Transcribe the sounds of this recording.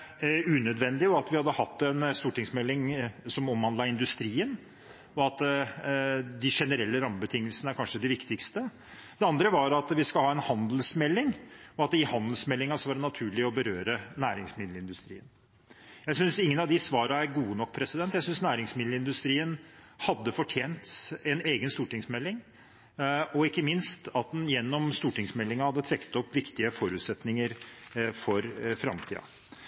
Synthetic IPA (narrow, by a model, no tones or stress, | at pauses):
ʉːnœd̪ʋɛnd̪ɪɔɑt̪ʋɪhɑd̪ːəhɑt̪ːɛnst̪uːʈɪŋsmɛlːɪŋsɔmɔmhɑnd̪lɑɪnd̪ʉst̪ɾiːən | ɔɑt̪ | d̪ɪʂɛnəɾɛlːəɾɑmːəbət̪ʰɪŋːəlsənəæɾkʰɑnʂəd̪ɪʋɪkt̪ɪkst̪ə | d̪ɛɑnd̪ɾəʋɑɾɑt̪ʋɪskɑlhɑːɛnhɑnd̪lsmɛlːɪŋɔɑt̪ɪhɑnd̪əlsmɛlːɪŋɑsɔʋɑɖɛnɑt̪ʰʉːɭɪɔbəɾøːɾənæːɾɪŋsmɪd̪lɪnd̪ʉst̪ɾḭːən | jæɪsʏnsɪŋːənɑʋd̪ɪsʋɑːɾɑæɾɡuːənɔkːpʰɾɛsɪd̪ɛnt̪ːjæɪsʏnsnæːɾɪŋsmɪd̪l̩ɪnd̪ʉst̪ɾiːənhɑd̪ːəfɔʈʰjeːnt̪ɛneːɡənst̪uːʈɪŋsmɛlːɪŋ | ɔɪkːəmɪnst̪ɑt̪̚d̪njɛnːɔmst̪uːʈɪŋsmɛlːɪŋɑhɑd̪ːət̪ʰɾɛkːət̪ɔpːʋɪkt̪ɪəfɔɾʉːt̪sɛt̪nɪŋəɾfɔɾfɾɑ̰mt̪ʰḭːɑ̰